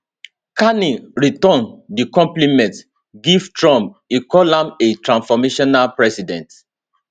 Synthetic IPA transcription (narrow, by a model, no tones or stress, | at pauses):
kaniɹitɔ̃ndikɔ̃mplimɛ̃nt | ɡivtɹɔ̃mp̚ikɔlãmetɹãnfɔmeʃɔnalpɹɛsidɛ̃nt